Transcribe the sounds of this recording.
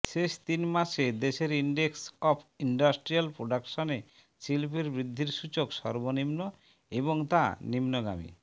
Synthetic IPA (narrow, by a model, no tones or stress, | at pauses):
ʃeʃt̪inmaʃed̪eʃeɾiɳɖeksɔpʰiɳɖasʈɾialpɾoɖakʃone | silpeɾbɾid̪ʱːiɾʃut͡ɕokʃɔɾbonimno | eboŋt̪a̰nimnoɡa̰mḭ